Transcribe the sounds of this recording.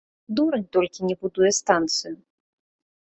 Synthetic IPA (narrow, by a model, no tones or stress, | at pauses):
d̪uɾɐnʲt̪ɔlʲkʲinʲɛbud̪ujɛst̪ant̪sɨju